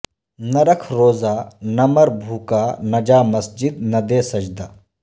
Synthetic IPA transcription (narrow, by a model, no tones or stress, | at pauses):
nɐɾəkʰɾoːzaːnɐmɐɾbʱuːkaːnɐd͡ʒaːmɐsd͡ʒid̪̚nɐd̪eːsɐd͡ʒd̪aː